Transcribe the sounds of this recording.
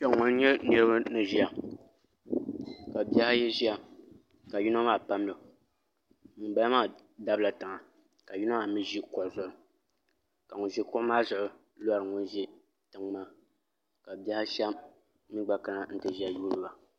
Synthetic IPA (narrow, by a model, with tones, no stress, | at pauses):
pɛ˦˨ŋʊ˦n˦ɲɛ˦nɨ˦ɾɨ˦ba˦nɨ˨ʒi˦a˨ | ka˨bi˦a˦ha˦jɛ˦ʒi˦a˨ | ka˨ju˦na˦maː˦˨pa˦m˦lɨ˨ | mi˨˦ba˦la˦maː˦˨ | da˦bla˨ta˨ŋa˨ | ka˨ji˦na˦ma˦˨mi˦ʒi˦kɔ˨ʔzʊ˨ʔʊ˨ | ka˨ŋʊ˨nʒi˦kɔ˦ʔmaː˦zʊ˨ʔʊ˨ | lo˦a˨ɾɨ˨ŋʊ˦n˦ʒi˦ | tɨ˨ŋmaː˦ | ka˨bi˦a˦hɪ˦ʃa˦m˦ | mi˦ɡ͡ba˨ka˦na˦n̩˦tɨ˨ʒi˦a˨juː˦lɨ˨ba˨